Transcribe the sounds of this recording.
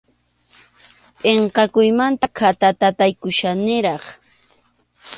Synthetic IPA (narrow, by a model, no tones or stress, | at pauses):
pʼeɴqɑkʊjmant̪akʰat̪at̪at̪ajkʊʃanɪɾɑχ